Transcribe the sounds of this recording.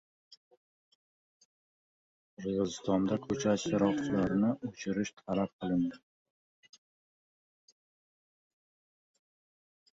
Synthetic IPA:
ɾʁɨzɪst̪ɒnd̪akʰɵt͡ʃʰaʃɪɾɒχt͡ʃʰɪlaɾɪnɪʔʊt͡ʃʰɪɾɪʃt̪ʰalap̚qʰɨlˠɪnd̪ɪ

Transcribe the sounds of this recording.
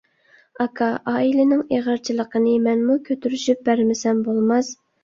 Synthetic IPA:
ɑkʰɑʔɑːilɪnɪŋeʁəɾt͡ʃʰilˠəqənɨmɛnmukʲʰøt̪ʰyɾyʃyp̚bæɾmɪsɛmbolˠmɑz

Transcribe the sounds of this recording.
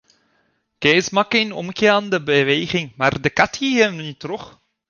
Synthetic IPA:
kɛsmɑkenɔ̰mkeːaːndəbəʋeːɣɪŋmaːrdəkɑtiɦəmnitroχ

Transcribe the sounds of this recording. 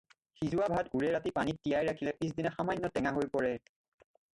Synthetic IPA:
xizuwabʱatɡuɹɛɹatipanit̚ːijajɹakʰilɛpis̬dinaxamajnːɔtɛŋaɦojpɔɹɛ

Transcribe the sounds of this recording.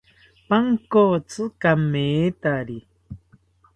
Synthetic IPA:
paŋkot͡sɨkameːt̪aɾi

